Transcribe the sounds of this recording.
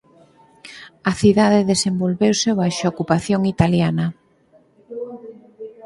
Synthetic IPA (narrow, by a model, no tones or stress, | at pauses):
ɐθiðaðeðesembolβewseβajʃaokupaθjoŋit̪aljanɐ